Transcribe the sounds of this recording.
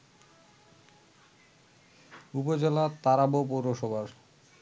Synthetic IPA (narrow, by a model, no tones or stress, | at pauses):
upod͡ʑelat̪aɾabopoɾoʃobʱaɾ